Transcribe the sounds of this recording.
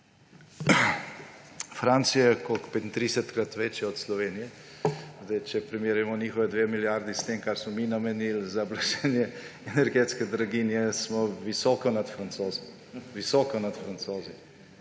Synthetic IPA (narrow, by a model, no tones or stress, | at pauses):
fɾaːnt̪sijakɔkpet̪nt̪ɾisɛt̪kɾat̪ʋet͡ʃjaɔt̪slɔʋeːnijɛ | zd̪ɛjt͡ʃɛpɾimeːɾujɛmɔniːxɔʋɛd̪ʋeːmiljaɾd̪ist̪emkaɾsmɔminamɛnilzablaʃɛnjɛɛnɛɾɡeːt̪skɛd̪ɾaɡinjɛsmɔʋisɔːkɔnat̪fɾant̪soːz | ʋisɔːkɔnat̪fɾansoːzi